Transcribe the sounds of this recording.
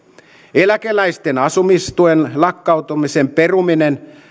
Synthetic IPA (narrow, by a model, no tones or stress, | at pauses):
elækelæist̪enɑsumist̪uenlɑkːɑut̪umisempe̞ruminen